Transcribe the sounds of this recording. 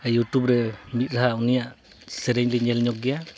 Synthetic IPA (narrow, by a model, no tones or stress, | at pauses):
juʈubɾɛmit̪̚ˀɾaɦaunijaʔ | sɛɾɛɲliɲɛlɲɔk̚ɡɛja